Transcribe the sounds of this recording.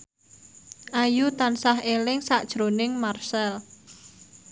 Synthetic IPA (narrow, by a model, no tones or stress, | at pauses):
ʔajut̪ansahɦelɪŋsaʔd̥ʒ̥ɾonɪŋmarsɛl